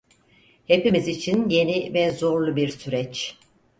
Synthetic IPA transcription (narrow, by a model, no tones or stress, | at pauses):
he̞pimizit͡ʃʰinje̞nivɛzo̞ɾlˠubiɾsyɾɛt͡ʃ